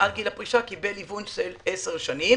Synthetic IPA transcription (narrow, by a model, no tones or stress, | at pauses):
alɡilapʁiʃakibelivunʃeleseʁʃanim